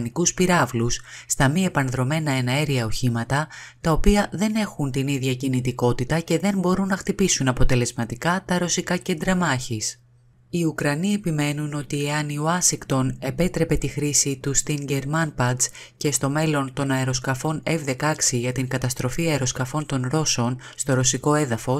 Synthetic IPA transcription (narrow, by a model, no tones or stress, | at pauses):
nikuspiɾɐvlusːt̪ɐmie̞pɐnðɾo̞me̞nɐe̞nɐeɾiɐo̞çimɐt̪ɐt̪ɐo̞piɐðe̞ne̞xunt̪iniðʝɐcinit̪iko̞t̪it̪ɐce̞ðe̞nbo̞ɾunːɐxt̪ipisunɐpo̞t̪e̞le̞zmɐt̪ikɐt̪ɐɾo̞sikɐce̞nd̪ɾɐmɐçis | iukɾɐnie̞pime̞nuno̞t̪ie̞ɐnioɐsiŋkt̪o̞ne̞pe̞t̪ɾe̞pe̞t̪ixɾisit̪ust̪iɲɟe̞ɾmɐnpɐd̪s | ce̞st̪o̞me̞lo̞nt̪o̞nɐeɾo̞skɐfo̞ne̞vðe̞kɐksiʝɐt̪iŋkɐt̪ɐst̪ɾo̞fiɐeɾo̞skɐfo̞nt̪o̞nɾo̞so̞n | st̪o̞ɾo̞siko̞e̞ðɐfo̞